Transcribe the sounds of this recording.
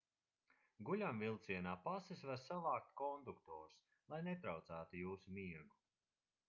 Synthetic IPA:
ɡuʎʲamvilˠt̪siɛnaːpasisvaɾsavˠaːk̚t̪kɔnd̪ukt̪ɔːɾs | lˠajnet̪ɾawt̪saːt̪ujuːsumiɛɾɡu

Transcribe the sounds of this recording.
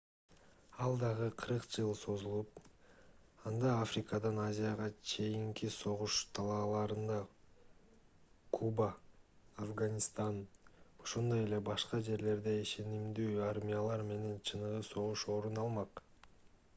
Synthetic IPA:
ɑlˠd̪ɑʁɯqʰɯɾɯqd͡ʒɯlˠso̞zulˠup̚ | ɑnd̪ɑafrʲɪkad̪ɑnazʲijaʁɑt͡ʃʰe̞jiŋkiso̞ʁuʃt̪ʰɑlˠɑːlˠɑɾɯnd̪ɑ | kʰubaː | fɡanʲist̪ɑno̞ʃond̪o̞je̞le̞bɑʃqɑd͡ʒe̞ɾle̞ɾd̪e̞iʃe̞nimd̪yːaɾmʲijalˠɑɾme̞ne̞nt͡ʃʰɯnɯʁɯso̞ʁuʃo̞ɾunɑlˠmɑq

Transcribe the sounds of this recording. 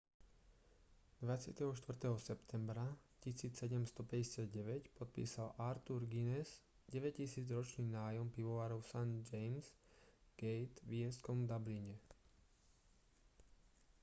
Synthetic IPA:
d̪ʋat͡sɪa̰t̪ɛɦɔʃt̪ʋr̩t̪ɛɦɔsɛpt̪ʰɛmbɾacisiːt͡sːɛɟɛmst̪ɔpɛɟɛsɪad̪ɟɛʋɛcpɔt̪̚pḭːsalʔaɾt̪uɾɡinɛz | ɟɛʋɛcisiːd͡zɾɔt͡ʃniːnaːjɔmpiʋɔʋaːɾɔʊsand͡ʒɛjmz̥ | ɡ̥ɛjt̪ʋɪɛskɔmd̪abliɲɛ

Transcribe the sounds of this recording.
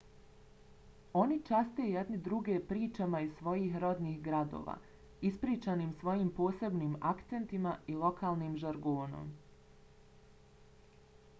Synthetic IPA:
o̞nit͡ʃast̪ejed̪nid̪ɾuɡepɾiːt͡ʃamaissʋo̞jiːɦɾo̞d̪niːhɡɾad̪o̞̰ːʋa̰ː | ispɾiːt͡ʃanimsʋo̞jiːmpo̞ːse̞bniːmakt̪se̞nt̪imailˠo̞kʰaːlˠnimʒaɾɡoːno̰m

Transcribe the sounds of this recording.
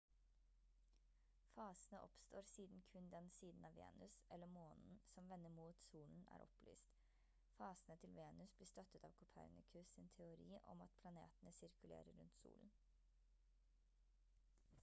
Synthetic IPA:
fɑːsənəʔɔpst̪ʰoːɾsiːd̪n̩kʰʉnd̪ɛnsiːd̪n̩ɑːʋḛːnʉsʔɛlːəmoːnn̩sɔmʋɛnːəmuːt̪suːln̩ʔæ̰ːɾʔɔ̰ply̰ːst̪ | fɑːsənət̪ʰɪlʋeːnʉsbliːst̪œt̪ːət̪ɑʋkʰʊpʰæ̰ɾnɪkʰʉsɪnt̪ʰɛʊɾiːʔɔ̰mɑ̰t̪̚pʰlɑnḛːt̪ənəsɪɾkʉlḛːɾəɾɾʉnt̪sṵːln̩

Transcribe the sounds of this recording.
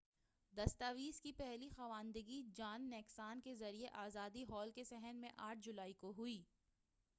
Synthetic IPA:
d̪ɐst̪aːʋiːskipɛɦlixaʋaːnd̪əɡid͡ʒaːnːɛːksaːnkezɐɾieʔaːzaːd̪iɦɔːlkesɛɦənmẽʔaːʈʰd͡ʒʊlaːikoɦʊiː

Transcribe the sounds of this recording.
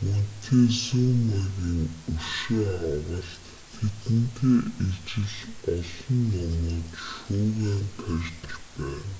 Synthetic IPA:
mɵn̥t̪ʰeːsʊmaɣiːŋɵrʃeɾʁə̆ɬt̪ | t̪ʰet̪ɘ̆nt̪ʰeːit͡ɕɪ̆ɮɔɮɞ̆nːɔnʊːt̪ʃuːʁæːnt̪ʰœrʲt̪ə̆xpæːn

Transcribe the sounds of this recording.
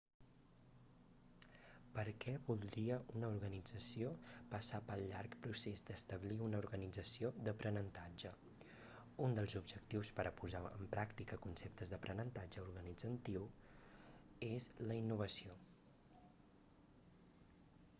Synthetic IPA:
pəɾkʰɛβulˠd̪ɾiəʔunəuɾɣənid͡zəsiopəsapəlˠʎaɾkpɾusezd̪əst̪əβliunəuɾɣənid͡zəsiod̪əpɾʔənənt̪ad͡ʒə | und̪əlˠzubʒək̚t̪iwspəɾəpuzaə̰mpɾʔakt̪ikəkunsep̚t̪əzðəpɾənənt̪ad͡ʒəuɾɣənid͡zənt̪iw | ezləinːuβ̞əsio

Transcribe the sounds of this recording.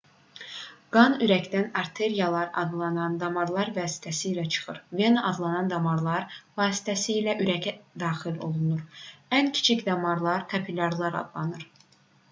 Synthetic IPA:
ɡ̥ɑnyɾæcd̪ænɑɾt̪ʰe̞ɾijɑlˠɑɾɑ̰d̪lˠɑnɑnd̪ɑmɑɾlˠɑɾvɑːsi̥t̪ʰæsiːlæt͡ʃʰɯ̥χɯɾve̞nʔɑd̪lˠɑnɑnd̪ɑmɑɾlˠɑɾvɑːsi̥t̪ʰæsiːlæʔyɾæcʰæd̪ɑːxilo̞̰lˠunuɾæncʰi̥t͡ʃʰicd̪ɑmɑɾlˠɑɾk̪ʰɑpʰilʲɑɾlˠɑɾɑ̰d̪lˠɑnɯɾ

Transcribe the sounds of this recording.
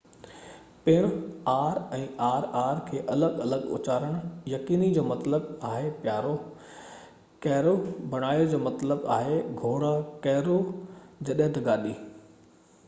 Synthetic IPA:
pɪɽ̃ʊaːɾɛ̃ːaːɾaːɾkʰeːʔɐləɠɐləɠʊ̰t͡ɕaːɾəɽ̃jɐkiːnid͡ʑoːmɐt̪ləbaːɦepjaːɾo | kɐɦɾobɐɽ̃aːjod͡ʑoːmɐt̪ləba̰ːɦeɡʱoːɽakɐɦɾod͡ʑɐɗɦɪ̃t̪ɐɡaːɗiː

